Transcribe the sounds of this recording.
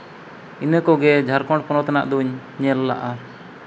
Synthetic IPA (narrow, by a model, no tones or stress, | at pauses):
inəkɔɡɛd͡ʒʱaɾkɔ̃ɳʈ̚pɔnɔt̪ana̰ʔd̪uɲ | ɲɛlːa̰ʔa